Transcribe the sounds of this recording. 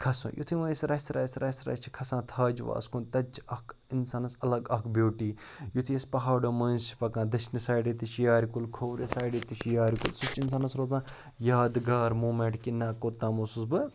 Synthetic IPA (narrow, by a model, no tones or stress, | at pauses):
kʰɐsõ̰jʔṵt̪ʰiʋɐːsɾɐsɾɐ̰ːsɾɐsɾɐ̰t͡ʃʰi̥kʰɐsãːt̪ʰaːd͡ʒʋa̰ːskʰunt̪ɐd͡ʒɐk | insaːnɐsɐlɐɡɐkbʲoːʈiː | jut̪ʰijɐspɐɦaːɖoːmɐːzt͡ʃʰi̥pɐkãːd̪ɐt͡ʃʰnisaːɖit̪it͡ʃʰjaːɾikulkʰoːwɾesaːjɖit̪iʃjaːɾikulsut͡ʃːins̬aːnɐsɾoːzãː | jaːd̪ɡaːɾmuːmeɳʈkinːaːkoːt̪ãːmoːsusbɨ